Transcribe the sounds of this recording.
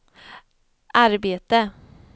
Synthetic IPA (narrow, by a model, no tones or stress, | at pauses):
ʔaɾbeːt̪ə